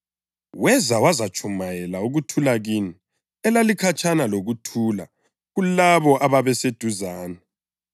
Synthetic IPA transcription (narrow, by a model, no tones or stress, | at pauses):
wɛzawazat͡ʃʰʼumajɛlauɣutʰulaɣini | ɛlalikʰat͡ʃʰʼanaloɣutʰuːla̰ | ɣulaβɔʔaβaβɛsed̥ʱuzaːnɛ